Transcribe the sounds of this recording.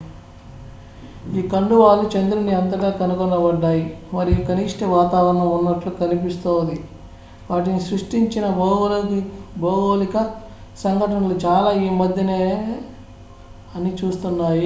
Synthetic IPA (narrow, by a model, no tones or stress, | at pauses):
iːkɐɳɖuʋaːlːut͡ʃɐnd̪ɾuniɐnt̪ɐɡaːkɐnukɔnːɐbɐɖːaːjimɐɾikɐniʂʈeʋaːt̪aːʋɐɾɐɳɐmunːɐʈlukɐnipist̪oːnd̪i | ʋaːʈ̬inisɾuʂʈiɲt͡ʃinɐbɐlkbɐːɡoːlikɐ | sɐŋɡʱɐʈɐnɐlut͡ʃaːlaːiːmɐd̪ʱjɐneː | ɐnit͡ʃuːst̪unːaːji